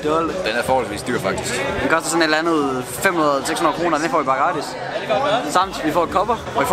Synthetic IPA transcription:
d̥ɒld̥enæɐfɒːhɒlsʋḭsd̥y̰ːɐfɑ̈ɡ̥̚d̥ʰisɡ̥d̥enkʰɒ̽sd̥ɐsɒ̽ne̝dænð̞̩ˠ | femhunɐðˠɒseɡ̥shunɐðˠkʰʁo̝ːnɐd̥enfɒ̰ːʋipʰɑ̈ːɡ̥ɑ̈d̥is | sɑ̈m̰d̥ʋifɒ̰ːed̥̚kʰɒ̽b̥ɐ | ɒʋif

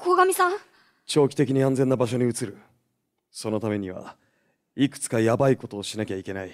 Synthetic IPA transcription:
kʰoːɡamʲisãŋ | t͡ɕo̞ːkʲi̥t̪e̞kʲiɲ̟iãnd͡ze̞nːabaɕ̬o̞ɲ̟iɯ̟t͡sɨɾɯ̟ | so̞no̞t̪ame̞ɲ̟iβa̰ | ikɯ̥t͡sɨ̥kajabaiko̞t̪o̞ːɕinakʲaikʲe̞nai

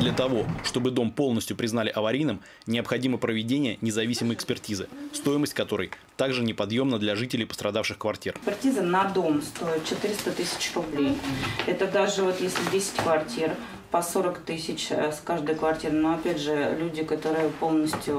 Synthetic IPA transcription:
d̪lʲət̪ɐvo̞ʂt̪o̞bɨd̪o̞mpo̞lˠnəsʲtʲjʊpɾʲɪznalʲɪʔɐvɐɾʲijnɨm | nʲɪɐpxɐdʲiməpɾəvʲɪdʲenʲɪjənʲɪzɐvʲisʲɪməjɪkspʲɪrtʲizɨ̰st̪o̞jɪməsʲtʲkɐt̪o̞ɾɨ̰j | t̪aɡʐɨnʲɪpɐd̪jo̞mnəd̪lʲɐʐɨtʲɪlʲɪjpə̥st̪ɾɐd̪afʂɨxkvɐrtʲirpʲɪrtʲizənɐd̪o̞mst̪o̞ɪt̪̚t͡ɕɪt̪ɨɾʲɪst̪ət̪ɨsʲɪ̥t͡ɕrʊblʲejɛt̪əd̪aʐɨvo̞t̪jesʲlʲɪdʲesʲɪ̥tʲkvɐrtʲir | pɐso̞ɾəkt̪ɨsʲɪt͡ɕskaʐd̪əjkvɐrtʲiɾɨnoɐpʲædʲʐɨlʲudʲɪkɐt̪o̞ɾɨjɪpo̞lˠnəsʲtʲjʊ

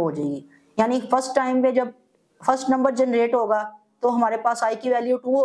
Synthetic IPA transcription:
ɦoːd͡ʒaeɡiː | jaːnifɐsʈːaːɪmpẽd͡ʒɐb̚ | fɐɾsʈnɐ̃mbəɾd͡ʒɛnɾeːʈɦoːɡaː | t̪oɦɐmaːɾepaːsaːikiʋɛːljuʈuːo

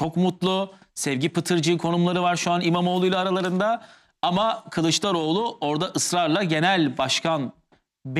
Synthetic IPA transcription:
t͡ʃo̞kmut̪lˠʊsɛvɟipɯt̪ʰɯɾd͡ʒɯːkʰo̞numlˠaɾɯvaɾʃuanimamo̞ːlˠujlˠaːɾalˠaɾɯnd̪a | amakʰɯlˠɯt͡ʃlˠaɾo̞ːlˠʊo̞ɾd̪aʔɯsɾaɾlˠaɟe̞nælʲbaʃkʰan | b

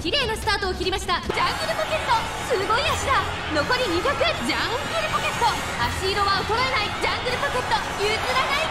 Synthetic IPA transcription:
kʲiɾe̞ːɡasɨ̥t̪aːt̪o̞ːkʲiɾʲimaɕi̥t̪ad͡ʑãŋɡɯ̟ɾɯ̟poke̞t̪ːo̞ | sɨɡo̞iaɕid̪a | no̞ko̞ɾʲiɲ̟iɡakɯ̟d͡ʑãŋɡɡɯɾɯ̟poke̞t̪ːo̞ | aɕiːɾo̞βaot̪oɾoenaid͡ʑãŋɡɯ̟ɾɯ̟poke̞t̪ːo | jɯːt͡sɨɾanai

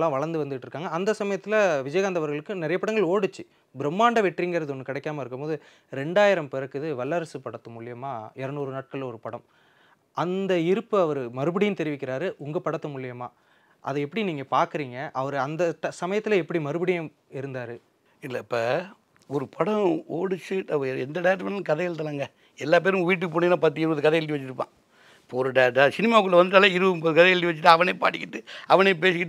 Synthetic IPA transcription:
lːãːʋɐɭɐɾnd̪ɯʋɐnd̪ɪʈːɯɾɯkːaːŋɡɐɐnd̪ɐsɐmɐjɐt̪ːɪlɐʋɪd͡ʒɐjɣaːnd̪ɐʋɐɾɣɐɭɯkːɯnɪɾɐjɐpɐɽɐŋɡɐɭoːɽɯt͡ʃːɯ | bɪɾɛmːaːɳɖɐʋɛʈːriːŋɡɪɾɐðɯɔnːɯkɪɽɛkːaːmɐɪɾɯkːɯmpoːðɯ | ɾɛɳɖaːjɪɾɐmpɪɾɐkːɯðɯʋɐlːɐɾɐsɯpɐɽɐt̪ːɐmʊɭɪjɐmaːɛɾɐnuːɾɯnaːʈ̚kɐɭlɔɾɯpɐɽɐm | ʔɐnd̪ɐɪɾɯpːɯɐʋɐɾɯmɐɾɯbɐɽɪjɯ̃nt̪ɛɾɪʋɪkːɪɾaːɾɯʔʊŋɡɐpɐɽɐt̪ːɐmʊɭɪjɐmaː | ʔɐ̰ðɯɛpːɐɽiniːŋɡɐpaːɾkɯɾiːŋɡɐʔɐʋɐɾɯɐnd̪ɐʈɐsɐmɐjɐt̪ːɪlɐɛpːɐɽimɐɾɯbɐɽɪjɐ̃ | ɪɾɯnd̪aːɾɯ | ɪlːɐpːɐ | ɔɾɯpʰɐɽɐ̃oːɽɯt͡ʃːɯʈɐɐɛnd̪ɐɖɐjʈ̬ːʋɐnːnkɐðɛɛɭt̪ːɐlaːŋɡɐ | ɛlːaːp̬eːɾɯ̃ʋiːʈ̬ːɯkːɯpoːɳːinãːpɐt̪ːɯɪɾɯʋɐðɯkɐðɛɛlʈiʋɐt͡ʃːɪɾɯpːã̰ː | poɾɐɖɐjɐʈːsɪnɪmaːkːɯɭlːɐʋɐnd̪ɯʈːaːlɐɪɾɯʋmboːðɯkɐðɛɛlʈiʋɐt͡ʃːɪʈːɯɐʋɐneːpa̰ːɽɪkːɪʈːɯɐʋɐneːp̬eːsɪkːɪʈː

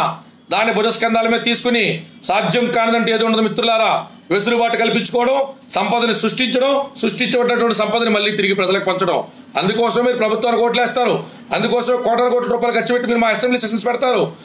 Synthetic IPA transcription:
d̪aːnːibʱɔd͡ʒɐskɐnd̪aːlɐmeːɐt̪iːsu̥kunisaːd͡ʒ̪jɐmkaːnid̪ɐɳʈeeːd̪oːuɳːɖɐd̪ɐmit̪ːɾulaːɾaː | ʋesuɾubaːʈɐkɐlipiɲt͡ʃu̥kɔːʋɐɽɐmsɐmpɐd̪ɐnisɾuʂʈiɲt͡ʃɐɽɐmsɾuʂʈiɲt͡ʃɐʋɐɖːnɐʈ̬uʋɐɳʈisɐmpɐd̪ɐnimɐlɭːiːt̪iɾiɡipɾɛd͡ʒɐlɐkupɐɲt͡ʃɐɽɐm | ɐ̰nd̪ukɔːsɐmːiːɾupɾɐbʱut̪ʋaːnikoːʈ̬lɛːst̪aːɾu | ɐnd̪ukɔːsɐmkɔːʈɐnɐkoːʈlɐɾuːpaːluɡɐt͡ʃːibeʈːimiːɾumaːɐsembliːsɐʃɐnspɛɽɐt̪aːɾu

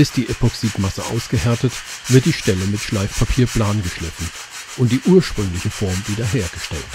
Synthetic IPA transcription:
ɪst̚d̥iːʔepɔksiːtmasə̰ʔa̰ʊsɡ̥əhɛɐtətv̥ɪɐt̚d̥iːʃtɛləmɪtʃlaɪfpʰapʰiːɐpʰl̥aːnɡəʃlɪfn̩ | ʔʊnt̚d̥iːʔuːɐʃpʁ̥ʏŋlɪçəfɔɐmviːdɐɦeːɐɡ̥əʃtɛ̰lt

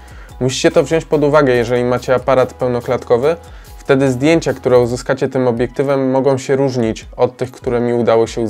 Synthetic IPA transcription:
muɕi̥t͡ɕɛt̪ɔvʑɔ̃ɲt͡ɕʲpɔd̪uvaɡɛjɛʐɛlʲimat͡ɕɛapaɾat̪pɛwnɔklat̪kɔvɘ | ft̪ɛd̪ɘzd̪ʲjeɲt͡ɕakt̪uɾɛuzɘskat͡ɕɛt̪ɘmɔbʲjɛk̚t̪ɘvɛmːɔɡɔ̃w̃ɕɛɾuʐɲit͡ɕɔt̪ːɘxkt̪uɾɛmʲiud̪awɔɕɛu

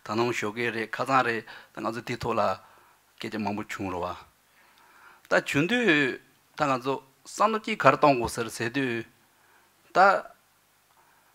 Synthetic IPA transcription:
t̪ʰanuŋɕokeːɹeʔkʰat͡sʰaŋreʔt̪aŋat͡sʰot̪it̪ʰɔʔla | ket͡ɕamaŋpot͡ɕʰuŋɹewa | t̪at͡ɕunt̪yː | t̪aŋant͡sʰo | samt̪ot͡ɕiːʔkʰaɾet̪ɔŋkoseseːt̪yː | t̪a

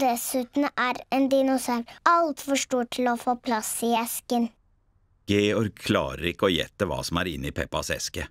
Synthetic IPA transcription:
d̪ɛsʉːt̪nʔæːɾeːnd̪ɪnʊsɑːɾʔɑlt̪fɔʂʈuːʈʰɪloːfoːpʰlɑsiɛskən | ɡ̥eːɔɾɡ̚kʰlɑ̰ːɾəɾɪkːəoːjɛ̰t̪ːəʋɑ̰ːsɔmæːɾɪnːiːpʰɛpːɑsɛ̰skə

